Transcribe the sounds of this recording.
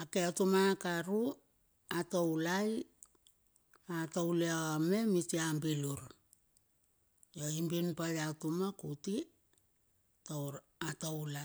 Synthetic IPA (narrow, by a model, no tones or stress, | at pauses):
akeatumakaɾu | atowlaj | atowleaame̞mitiambiluɾ | jo̞imbinpajatumakuti | towɾ | atowla